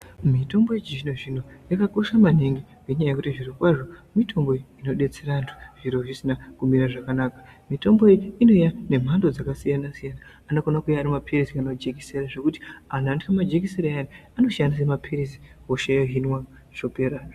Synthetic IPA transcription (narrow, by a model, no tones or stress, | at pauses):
mito̞mbo̞et͡ʃiʐinoʐin̤o̞jakako̞ʃamaneŋɡiŋɡe̞ɲajaje̞kutiʐiɾokwaʐo̞mitʰo̞mbo̞ino̞ɗe̞t͡se̞ɾantʰu̥ʐ̥iɾo̞ʐisinakumiɾaʐakanakḁmito̞mboeino̞jane̞m̤ando̞d͡zakasijanasijanaːnokonakujaːɾimapʰirisikanad͡ʒekiseɾaʐe̞kuti̥anantikamad͡ʒek̬iseɾaaniano̞ʃandis̬emapʰiɾisi̥ | woʃajoɦinwa | ʂo̞peːɾar